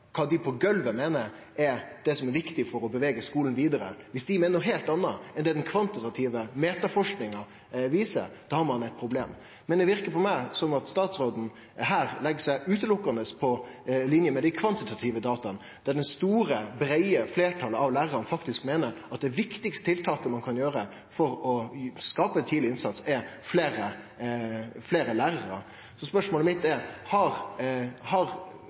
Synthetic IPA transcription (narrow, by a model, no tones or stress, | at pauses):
kʰɑːd̪ɪpʰɔɡœlʋəmeːnəɾ | ɛɾd̪̥ɛsɔmɛɾʋɪkt̪ɪfɔɾɔbəʋɛɡəskuːln̩ʋiːd̪ɑɾə̰ʋɪsd̪ɪmeːnəɦɛlt̪ɑnːɑɛnd̪ɛd̪ɛnkʰʋɑnt̪ɪt̪ɑt̪ʰiːʋəmeːt̪ɑfɔʂknɪŋɑ | ʋiːsə̰ɾd̪̥ɑːhɑɾmɑnæɪt̪̚pʰɾʊbleːm | mɛnd̪ɛʋɪɾkəpʰɔmæɪsɔmɑt̪st̪ɑːt̪sɾoːd̪n̩ | ɦæːɾlɛɡəsæɪʔʉːt̪əlʊkːɑnəspʰɔlɪnjəmɛd̪æɪkʰʋɑnt̪ɪt̪ʰɑt̪ʰiːʋəd̪ɑːt̪ɑn | d̪̥æɖ̪ɛnst̪uːɾəbɾæɪəfleːʈʰɑləɑʋlæːɾɑnfɑkt̪ɪskmeːnəɾɑt̪̚d̪ɛʋɪkt̪ɪkst̪ət̪ʰɪlt̪ʰɑːkəmɑnkʰɑnjøːɾə | fɔɾɔskɑːpət̪ʰiːd̪lɪɪnsɑt̪sɛfleːɾə | fleːɾəlæːɾəɾə̰ | sɔspœʂmoːləmɪt̪ːɛhɑɾhɑɾ